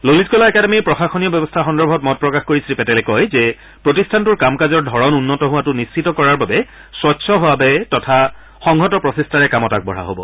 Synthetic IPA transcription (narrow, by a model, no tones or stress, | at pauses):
lolizkɔlaɛkademiɹpɹɔxaxɔnijɔbjɔbɔstʰaxɔndɔɹbʱɔtmɔt̚pɹɔkaxkoɹisɹipɛtɛlɛkɔjzɛ | pɹotistʰantʊɹkamkazɔɹdʱɔɹɔnunːɔtɔɦʊwatʊnist͡ʃʰitɔkɔɹaɹbabɛ | swɔtːsʰɔɦoabɛtɔtʰa | xɔŋɡʱɔtɔpɹɔsistʰaɹɛkamɔtak̚bɔɹa̰ɦo̰bɔ̰